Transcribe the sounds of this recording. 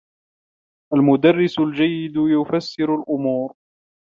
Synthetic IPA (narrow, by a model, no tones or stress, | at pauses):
ʔalmʊd̪arːɪsʊld͡ʒajːɪd̪jʊfasːɪɾʊlʔʊmuːɾ